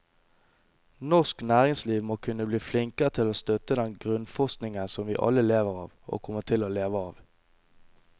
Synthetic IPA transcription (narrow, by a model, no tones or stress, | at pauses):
nɔʁsknæːʁɪŋsliːʋmoːkʰʉnəbliːflɪŋkəʁət̪ʰɪloːst̪œt̪əd̪ɛnɡʁʉnfɔʁsknɪŋənsɔmʋiːʔɑ̰ləleːʋəʁɑːʋʔo̰ːkʰɔmət̪ʰɪloːleːʋəɑːʋ